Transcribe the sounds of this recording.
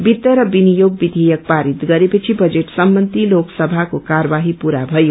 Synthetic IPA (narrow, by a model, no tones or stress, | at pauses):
bit̪ːəɾʌbinijoɡ̚bid̪ʱijək̚paɾit̪ɡʌɾepət͡ʃʰibʌd͡ʒeʈsəmbənd̪ʱiloksəbʱakokaɾəbaɦipuɾabʱʌjo